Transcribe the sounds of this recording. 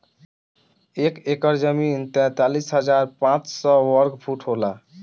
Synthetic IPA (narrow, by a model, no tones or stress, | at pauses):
ekekɔɾd͡ʒʌmint̪ɛ̃t̪alisɦʌd͡ʑaɾpãt͡ʃsɔwɔɾkpʰuʈɦola